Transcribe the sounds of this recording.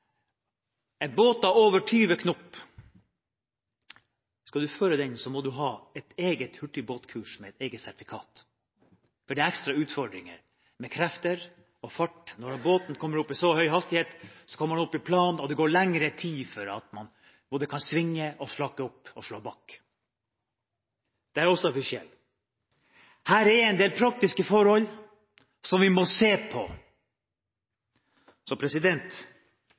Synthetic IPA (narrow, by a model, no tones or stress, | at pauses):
ɛnboːt̪ɑʋoːʋəʈʰyːʋəkʰnɔpː | skɑd̪ʉføːɾəd̪ɛnsɔmɔd̪ʉɦɑːɛt̪eːɡət̪hʉʈːɪboːt̪kʰʉːʂmɛɛt̪eːɡət̪sæʈ̪ɪfɪkʰɑ̰ːt̪ | fɔɖɛæɾɛkst̪ɾɑʉːt̪fɔɖɾɪŋə̰ɾ | mɛkʰɾɛft̪əɾ | ɔfɑʈːnɔɾboːt̪nkʰɔmːəɾʊpːɪsɔhœʏhɑst̪ɪheːt̪sɔ̥kʰɔmːəmɑnɔpːɪpʰlɑːnɔd̪ɛɡoːɭɛŋɾət̪ʰiːfɔɾɑ̰t̪mɑn | boːd̪əkʰɑnsʋɪŋːəʔɔslɑkːəɔpːɔʂɭoːbɑːk | d̪̥ɛæɾɔsɔɑfɪʂɪɛ̰lː | hæːɾɛɾɛɪnd̪eːlpʰɾɑk̚t̪ɪskəfɔɾhɔlː | sɔmʋɪmɔseːpʰɔ̰ | sɔpʰɾɛsɪd̪ɛnt̪